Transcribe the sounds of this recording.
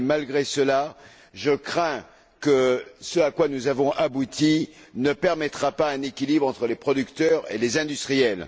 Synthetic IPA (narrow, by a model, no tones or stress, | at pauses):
malɡʁesəla | ʒəkχɛ̃ | kəsəakwanuzavɔ̃ʔabut̪inəpɛʁmɛt̪χapaɛ̃nekʲilibʁɑ̃t̪χəlepχɔd̪ykt̪œʁḛlezɛ̃d̪yst̪χijɛl